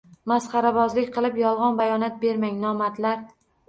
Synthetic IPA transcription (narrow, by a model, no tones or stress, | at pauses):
masχɑɾabɒzlɪkʲqʰɨlˠɪpjɒlˠʁɒnbajɒnat̪̚be̞ɾmaŋnɒmat̪laɾ